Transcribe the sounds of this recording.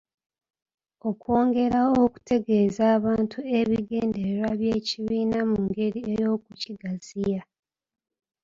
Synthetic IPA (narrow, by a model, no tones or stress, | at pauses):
o̞kwo̞ːŋɡe̞ɾaoku̥tʰe̞ɡe̞ːzaːβaːntʰue̞βiɡe̞ːnde̞ɾeɾwaβje̞ːciβiːnamuŋɡe̞ɾie̞jo̞ːk̚uciɡazija